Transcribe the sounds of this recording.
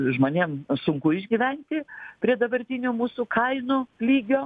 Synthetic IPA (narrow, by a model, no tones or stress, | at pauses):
ʒmoːnʲeːmsʊŋkʊɪʒʲɡʲiːʋʲɛnʲt̪ʲɪpʲɾʲiɛd̪ɐbɐɾʲt̪ʲinʲoːmuːsuːkɐɪnʊlʲiːɡʲoː